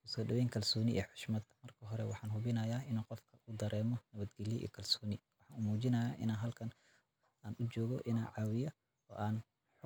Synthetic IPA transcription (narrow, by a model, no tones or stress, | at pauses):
ʊskɐdɐwɛːjŋkʰɐlsɔːnɪʔɛ̰ːħʊ̥ʃmɐd̪̥mɐrkʰɐɦɔɾɛwɑ̰ħɑːnɦʊβɪnɐjaːɪnuːqɔfkʰɐuːd̪ɐɾɛːmɔnɐβɐd̪ɡɐlɪjɛʔḭːkʰɐlsɔːnɪwɑħɑːnʊmuːt͡ʃɪnɐjaːʔɪ̰naːnɦɐlkʰɐn | aːnʔʊd͡ʒɔːɣɔʔɪna̰ːnʕɑːwɪjɐ | ɔ̰ːʔaːn | ħʊ